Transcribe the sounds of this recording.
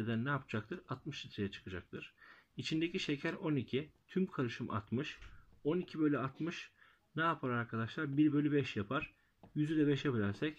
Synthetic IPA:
ed̪ænːɛapʰɯd͡ʒak̚t̪ʰɯɾat̪mɯʃit̪ʰɾejɛt͡ʃʰɯ̥kʰɯd͡ʒak̚t̪ʰɯɾ̥it͡ʃʰind̪e̞cʰiʃe̞cʰæɾo̞nicʰit̪ʰymkʰaɾɯʃɯmʔa̰t̪mɯʃo̞nicʰibø̞lʲyat̪mɯʃ | nɛapʰaɾaɾkʰad̪aʃlˠaɾbiɾbø̞lʲybɛʃjapʰaɾ̥ | jyzyd̪ɛbɛʃjapilʲæɾsɛc

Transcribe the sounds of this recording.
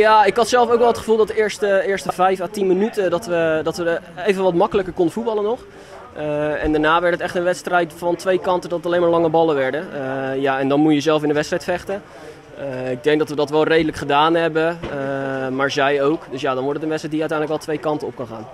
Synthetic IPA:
jaːɪkɦɑtsɛlˠfowkʋɛlˠətχəvuːlˠdɑtdɪɹstəɪːɹstəvɛjfaːtinmənytədɑtʋədɑtʋəejvənʋɑtmɑkələkəɹkɔndəfud̚bɑlˠənɔχ | əɛndaːɹnaːʋɛɹtətɛχtənʋɛtstrɛjtfɑntʋejkɑntədɔtətɑlejnmaːɹlɑŋəbɑlˠəʋɛɹdəjaɛndɑnmujəzɛlˠfɪndəʋɛtstrɛjtfɛχtə | ɪɡ̚dɛŋɡ̚dɑtʋədɑtʋɛlˠrejdələkχədaːnɦɛbə | maːɹzɛjowkdɵsjaːdɑnʋɔɹtətənʋɛtstrɛjtdijəœɥtɛjndələkɛlˠtʋejkɑntənɔp̚kɑnχa̰ːn

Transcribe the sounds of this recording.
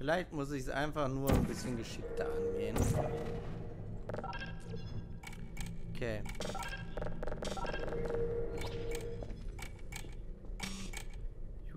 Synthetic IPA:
fɪlaɪçtmʊs̬ɪçsʔa̰ɪnfaχnuːɐnbɪsçənɡəʃɪk̚tɐ̰ʔanɡeːən | ʔʔokʰeː

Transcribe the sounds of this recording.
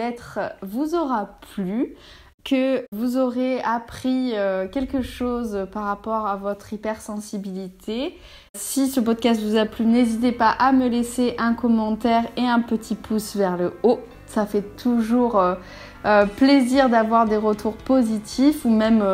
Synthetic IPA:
ɛt̪χvuzɔʁaply | kʰəvuzɔʁeapχiøkʲɛlkəʃozpaʁːapɔʁavɔt̪χipɛʁsɑ̃sibilit̪ʰe | sisəp̬ɔd̪̚kʲast̪vuzaplynezit̪̬epaʔaməleseʔɛ̃kɔmɑ̃t̪ɛʁeɛ̃pət̪ʰipʰusvɛʁləo | safɛt̪ʰuʒuʁø | øpleziʁd̪avwaʁd̪eʁət̪ʰuʁpozit̪ʰifumɛm

